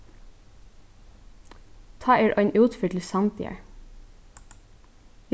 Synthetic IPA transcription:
t̪ʰɑːʔeːɹʔœʏnʔʉːt̪fyːʈʰl̩sɑmt̪ʰḭːə̰

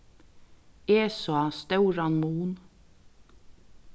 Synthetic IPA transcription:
eːsoɑst̪œʉɾɑnmuːn

